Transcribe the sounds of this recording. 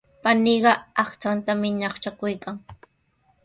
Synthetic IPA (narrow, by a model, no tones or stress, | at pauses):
paniːɢɑɑχt͡sant̪amɪɲɑχt͡ʃakʊjkaŋ